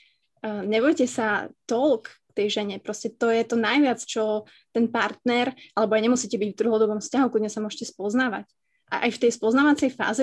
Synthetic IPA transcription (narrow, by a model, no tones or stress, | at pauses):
ɲɛʋɔjcɛsat̪ɔlkkt̪ɛjʒɛɲɛpɾɔscɛt̪ɔjɛt̪ɔnajʋɪat͡st͡ʃɔ | t̪ɛnpaɾt̪nɛɾʔalɛbɔajɲɛmusiːcɛbiɟvd̪r̩ɦɔd̪ɔbɔmfscaɦukudɲɛsamʊɔʃcɛspɔznaːʋa̰c | ʔa̰ʔa̰jft̪ɛjspɔznaːʋat͡sɛjfa̰ːzi